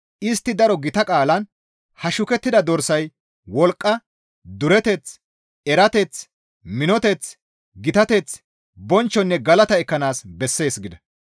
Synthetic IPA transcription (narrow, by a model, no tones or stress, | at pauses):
ʔɪst̪ːɪd̪ɐɾɔɡɪt̪ɐkʼaːlɐn | hɐʃʊkɛt̪ːɪd̪ɐd̪ɔɾsɐj | wɔlkʼːɐ | d̪ʊɾɛt̪ɛt͡s | ɛɾɐt̪ɛt͡s | mɪnɔt̪ɛt͡s | ɡɪt̪ɐt̪ɛt͡s | bɔnt͡ʃːɔnːɛɡɐlɐt̪ɐɛkːɐnaːsbɛsːe̞ːsɡɪd̪ɐ